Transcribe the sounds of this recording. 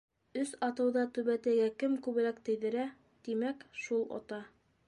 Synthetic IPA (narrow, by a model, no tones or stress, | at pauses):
ɵsɑt̪ɤ̆wðɑt̪ɵ̆βæt̪æɡækɘmkʉβɘ̆lækt̪ɘ̆jðɘ̆ɾæ | t̪imækʃulˠo̰t̪ɑ